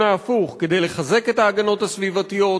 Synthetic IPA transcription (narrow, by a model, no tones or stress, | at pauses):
aːfuχke̞d̪e̞jle̞χaze̞ke̞t̪aːɡano̞t̪hasvivat̪ijo